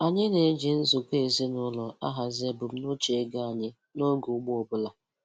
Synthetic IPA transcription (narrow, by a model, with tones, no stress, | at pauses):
a˨ɲɪ˦ne˨˦d͡ʒi˨n̩˦zʊ˨ke˦˨e˨zi˦nʊ˦lɔ˨a̰˦ɦa˨ze˦bʊ˨m̩˦no˦t͡ʃe˨˦ɡa˦a˨ɲɪ˦ | no˦ɡʊ˨˦ɡ͡bʊ˦ɔ˨bʊ˦la˨